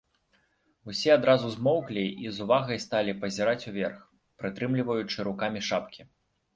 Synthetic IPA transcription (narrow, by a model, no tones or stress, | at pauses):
usʲɛad̪ɾazuzmɔwklʲiʔizuvaɣɐjst̪alʲipɐzʲiɾat͡sʲuvʲɛrx | pɾɨt̪ɾɨmlʲivɐjut͡ʂɨɾukamʲiʂapkʲi